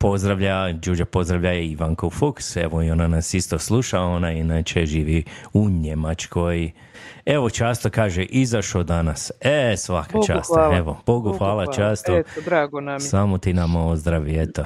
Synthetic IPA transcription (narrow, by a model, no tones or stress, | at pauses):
po̞zd̪ɾaʋʎad͡ʒuːd͡ʒapo̞zd̪ɾaʋʎajeiʋaŋkofukse̞̰ʋoio̞nanasist̪o̞slˠuʃao̞najinat͡ʃeʒiːʋiuɲe̞mat͡ʃko̞j | e̞ʋo̞t͡ʃaːst̪okaːʒeʔizaʃod̪anasesʋakat͡ʃa̰ːst̪eʋob̥oɡuxʋaːlat͡ʃaːst̪oɾasamot̪inamaozd̪ɾaʋiet̪o